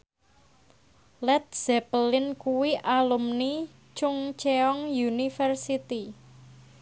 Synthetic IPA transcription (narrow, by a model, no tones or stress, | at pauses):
lɛt̪̚z̥ɛpəlɪnkuwiʔalumni | t͡ʃʊŋt͡ʃeɔŋjunifərsit̪i